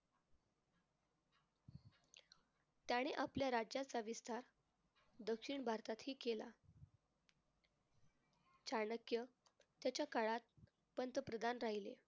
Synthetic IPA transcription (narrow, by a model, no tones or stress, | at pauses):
t̪jaɽ̃eʔapljaɾad͡ʑjat͡saʋist̪aɾ | d̪əkʂiɳbʱaɾt̪at̪ɦiːkela̰ | t͡ɕaɳəkjət̪jat͡ɕjakaɭat̪̚ | pənt̪əpɾəd̪ʱanɾaɦilḛ